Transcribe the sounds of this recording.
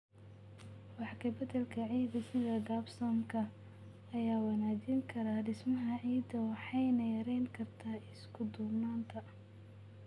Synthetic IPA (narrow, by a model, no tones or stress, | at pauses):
wɑħkʰɐbɐd̪ɐlkʰɐʕiːd̪ɐsɪðɐɡaːbsɔmkʰɐ | ɐjaːwɑnaːd͡ʒiŋkʰɐɾaːɖɪsmɐɦɐʕiːd̪ɐwɑħɑjnɐjɐɾɛjŋkʰɐrt̪ʰaːɪskʰʊd̪ʊbnaːnt̪ʰɐ